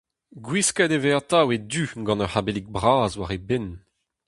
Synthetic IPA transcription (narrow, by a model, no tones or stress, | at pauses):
ɡwiskɛd̪eveat̪awed̪yɡɑ̃nœʁhabelik̚bʁaːzwaʁeben